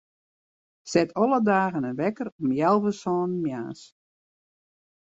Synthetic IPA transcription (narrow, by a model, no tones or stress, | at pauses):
sɛtʰɔlˠədaːɣənənʋɛkəɾɔmjɛlˠʋəsɔːnmja̰ːs